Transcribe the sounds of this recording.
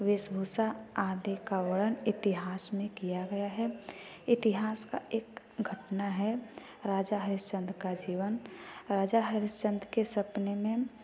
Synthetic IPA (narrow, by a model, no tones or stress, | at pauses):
ʋɪsbʱusaaːd̪ekawəɽənɪt̪ɪɦaːsmẽkijaɡɐjaɦɛ | ɪt̪ɪɦaːska̰ʔeːk | ɡʱəʈnaɦɛ | ɾaːd͡ʒaɦəɾɪst͡ʃə̃nd̪ɾkad͡ʒiːʋənɾaːd͡ʒaɦəɾɪst͡ʃə̃nd̪ɾkesəpnemẽ